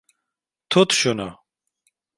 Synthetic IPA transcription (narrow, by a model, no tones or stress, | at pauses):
t̪ʰot̪ɕona̰